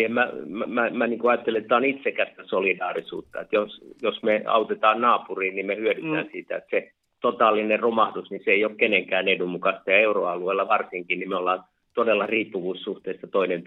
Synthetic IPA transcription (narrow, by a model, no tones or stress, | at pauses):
emmæmmæmæniːŋkuɑjɑt̪ːeliet̪ːˑæonit̪sekæst̪æsolidɑːrisṵːt̪ːɑet̪josjosmeɑ̰ut̪et̪ɑːnnɑːpuriːnnimmehyødyt̪æ̰ːnsiːt̪æet̪se | t̪ot̪ɑːlːineromɑhdusniseeiokkeneŋkæːnedumukɑst̪ɑjɑeuroɑlueilːɑʋɑrsiŋkinnimeolːɑːn | t̪odelːɑriːpːuʋuːssuht̪eisːɑt̪oinen